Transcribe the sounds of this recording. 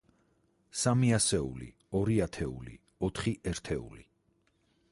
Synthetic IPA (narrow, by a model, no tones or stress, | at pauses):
samiasɛṵlḭ | ɔɾiat̪ʰɛṵlḭ | ɔt̪ʰχiʔɛɾt̪ʰɛṵli